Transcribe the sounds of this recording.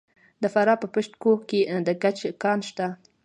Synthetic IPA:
d̪əfaɾɑpəpəʃʈkoked̪əkat͡ʃkɑnʃt̪a

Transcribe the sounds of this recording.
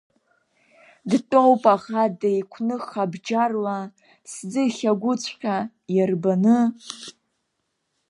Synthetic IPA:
dtʼowpʼaχadejkʷʰnɨχabd͡ʒarwa | sd͡zɨχʲaɡʷʊt͡sʷʰʼqʲa | jarbanɨ

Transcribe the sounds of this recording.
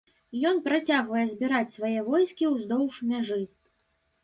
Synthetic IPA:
jɔnpɾat͡sʲaɣvɐjɛzʲbʲiɾat͡sʲsvajɛvɔjskʲiwzd̪ɔwʂmʲaʐɨ

